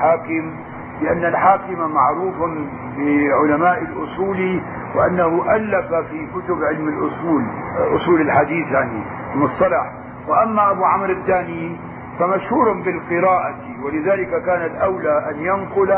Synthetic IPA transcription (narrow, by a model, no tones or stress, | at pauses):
ħaːkɪm | lɪʔanːalħaːkɪmamaʕɾuːfan | bɪʕʊlamaːʔalʔʊsˤuːli | wɪʔanːahuʔalːafafikʊt̪ʊbʕɪlmalʔʊsuːlʔʊ̰sˤuːlalħad̪iːθjaʕni | mːʊsˤːɑlɑħ | wɪʔamːaʔabuːʕamɾad̪ːaːnjiːn | famaʃhuːɾˤhʊmbɪlqɪɾaːʔa | wɪlɪðaːlɪkakaːnalʔawlaʔanjanqʊl